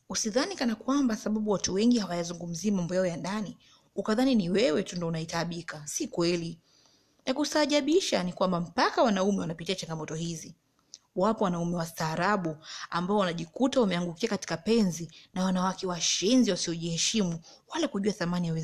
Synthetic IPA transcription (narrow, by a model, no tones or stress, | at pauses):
usiðanikanakwambasaɓaɓuwatuwɛŋɡihawajazuŋɡum̩ziamambɔjaɔjandani | ukaðaniniwɛwɛtundɔunaitaɓikasikwɛli | nakusaːʄaɓiʃanikwambam̩pakawanaumɛwanapitiat͡ʃaŋɡamɔtɔhizi | wapɔwanaumɛwastaːɾaɓuambaɔwanaʄikutawamɛaŋɡukiakati̥kapɛnzinawanawakɛwaʃɛnziwasiɔʄihɛʃimuwalakuʄuaθamanijawi